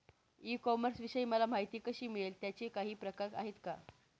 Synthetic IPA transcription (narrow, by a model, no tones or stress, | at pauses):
ikɔməɾsʋiɕəiːməlamaɦjt̪iːkəɕiːmiɭelt̪jat͡ɕekaɦiːpɾəkaɾa̰ɦet̪ka